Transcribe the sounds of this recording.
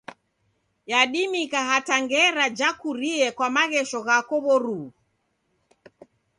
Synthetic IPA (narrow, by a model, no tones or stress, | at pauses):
jaɗimikaɦataŋɡɛɾad͡ʒakuɾiɛkwamaɣɛʃɔɣakɔβɔɾu